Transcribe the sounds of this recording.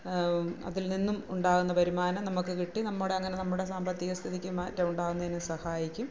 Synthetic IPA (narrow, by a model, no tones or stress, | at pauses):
ɐ̰ðilninːumuɳɖaːɣunːɐpɐɾumaːnɐmnɐmukːɨkiʈːinɐmːuɽe̞ɐŋːɐne̞nɐmːuɽe̞saːmbɐt̪ːiɣɐst̪ʰiðikʲːɨmaːtːɐmuɳɖaːɣunːɐðinɨsɐhaːjikʲːum